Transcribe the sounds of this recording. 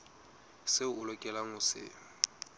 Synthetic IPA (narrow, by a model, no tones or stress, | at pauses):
sɪʊlɔkʼɛlaŋʊsɪ̰